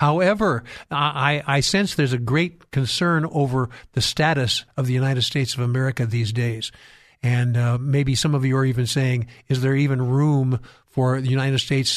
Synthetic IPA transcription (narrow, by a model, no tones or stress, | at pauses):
haʊɛvə˞ʔaɪʔaɪsɛ̃nsðə˞zɨɡɹeɪt̚kʰɨ̃nsɜ̃˞noʊvə˞ðɨstæɾɨsʌvðɨjʉnaɪɾɨd̥steɪtsʌvəmɛɹɨkɨðizdeɪz̥ | ɨ̃nmeɪbisʌ̃mʌvjɨə˞ivɨ̃nseɪɪ̃ŋɨzðə˞ivɨ̃nɹũmfə˞ðɨjʉnaɪɾɨd̥steɪts